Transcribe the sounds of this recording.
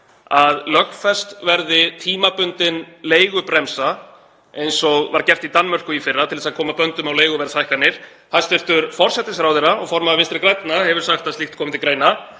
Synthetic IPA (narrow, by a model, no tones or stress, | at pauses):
aðlœxfɛst̪vɛɾðɪt̪ʰiːmapʏnt̪ɪnleːjɣʏpɾɛmsa | ejnsɔɣvaɾcɛft̪it̪anːmœr̥kʏifɪrːat̪ʰɪlɛsaðkʰɔːmapœnt̪ʏmawleːjɣʏvɛɾθajhkanːɪɾ̥ | hast̪ɪr̥t̪ʏɾfɔr̥sɛt̪ɪsθɾawðɛɾaɔɣfɔɾmaðvɪnst̪ɾɪkɾajt̪nahɛvʏɾ̥saxt̪aðst̪ixt̪kʰɔːmɪt̪ʰɪlkɾeːjna